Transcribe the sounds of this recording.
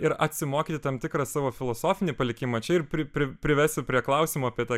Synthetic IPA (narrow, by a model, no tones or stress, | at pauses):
ɪɾɐt̪ʲsʲɪmoːkʲiːt̪ʲɪt̪ɐmt̪ʲɪkɾɑsɑːʋoːfʲɪlˠoːsoːfʲɪnʲiːpɐlʲɪkʲɪmɐt͡ʃʲɛɪrpʲɾʲɪpʲɾʲɪpʲɾʲɪʋʲɛsʲʊpʲɾʲiɛklˠɐʊsʲɪmoːɐpʲiɛt̪ɑː